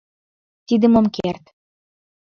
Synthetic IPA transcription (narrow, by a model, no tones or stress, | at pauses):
t̪id̪əmomkert̪